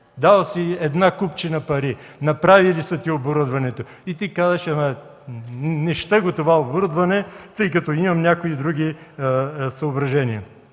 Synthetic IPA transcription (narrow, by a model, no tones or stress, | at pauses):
d̪alˠsiɛd̪nakupt͡ʃinɐpɐɾi | nɐpɾavilisɐt̪ʲioboɾud̪vɐnɛt̪o | it̪ikazɐʃɐmɐ | nɛʃt̪əɡot̪ovaoboɾud̪vɐnɛt̪ɤjkɐt̪ɔimɐmnʲakoid̪ɾuɡ̟i | sɐobɾɐʒɛniɐ